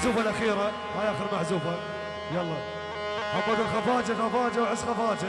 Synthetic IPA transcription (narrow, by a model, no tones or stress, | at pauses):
zuːfalʔaxiːɾa | majaxʊɾmaħzuːfa | jalˤːɑː | ʔakːɑd̪ʊlxɑfɑːd͡ʒaxafɑːd͡ʒawʕɪsːxɑfɑːd͡ʒa